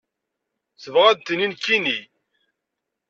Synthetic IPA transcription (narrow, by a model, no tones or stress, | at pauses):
θəvʁæd̪̚t̪ːninkːini